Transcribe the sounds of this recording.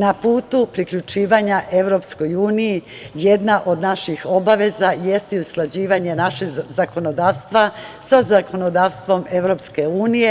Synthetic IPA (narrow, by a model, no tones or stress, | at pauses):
napuːt̪upɾikʎut͡ʃiːʋaɲaʔe̞ʋɾo̞psko̞juːniji | jed̪naʔo̞d̪naʃixo̞baʋe̞zaje̞st̪iusklˠad͡ʑiːʋaɲe̞naʃezako̞no̞d̪aːʋst̪ʋasazakʰo̞no̞d̪aːʋst̪ʋo̞me̞ʋɾo̞pske̞uːnije̞